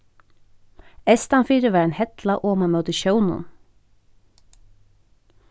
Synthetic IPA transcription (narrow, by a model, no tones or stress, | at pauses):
ɛst̪ɑnfiːɾəʋæːnhɛt̪lɑʔoːmɑmœt̪əʃœʊnʊ̰n